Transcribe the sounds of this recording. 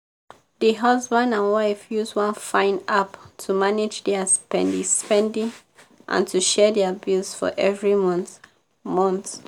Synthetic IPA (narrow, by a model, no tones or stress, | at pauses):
ðiɦʌzbə̃ndãnwaɪfjuzwʌ̃nfãɪ̃naptʰumanɪd͡ʒdɛəspɛ̰̃ndispɛ̃ndĩŋ | ʔã̰ntʰuʃɛdɛbilsfɔ̰ʔɛvɹimn | mɔ̃nθ